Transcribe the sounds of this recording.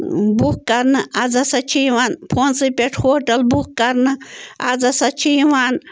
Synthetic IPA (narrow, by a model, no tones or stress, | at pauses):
bukkɐɾnɨɐd͡zɐsɐt͡ʃʰiːʋaːnpʰoːnsɨpʲeʈʰhoːʈɐlbukkɐɾnɨɐ̰d͡zɐsɐt͡ʃʰiʋaːn